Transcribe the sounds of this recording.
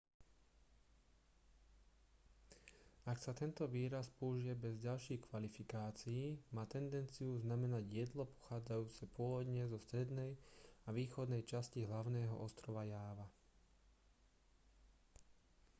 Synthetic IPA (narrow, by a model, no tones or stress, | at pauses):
aksat̪ɛnt̪ɔʋiːɾaspɔuʒijɛbɛzɟalʃiːxkʋalifikaːt͡siiːmaːt̪ɛnd̪ɛnt͡siuznamɛnaɟjɛd̪lɔpɔ̥xaːd͡zajuːt͡sɛpʊɔʋɔd̪ɲɛzɔst̪ɾɛd̪nɛjaʋiːxɔd̪nɛjt͡ʃasciɦlaʊnɛːɦɔ̰ʔɔst̪ɾɔʋajaːʋa